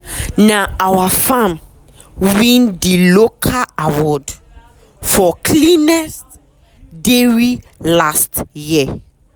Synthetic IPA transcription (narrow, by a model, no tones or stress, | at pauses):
naawafam | wĩndilokʰaawɔd | fɔkʰlinɛst | deɹi | lastji